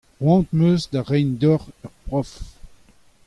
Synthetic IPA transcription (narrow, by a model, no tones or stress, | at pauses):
ʁwɑ̃ːt̪møːzd̪aʁɛjnd̪ɔʁœʁpʁɔf